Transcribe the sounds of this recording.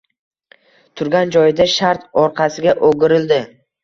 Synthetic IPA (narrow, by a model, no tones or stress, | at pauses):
t̪ʰʊɾɡʲand͡ʒɒjd̪aʃaɾt̪ɒɾqʰɑsɪɡʲaʔoɡʲɪɾɪld̪ɪ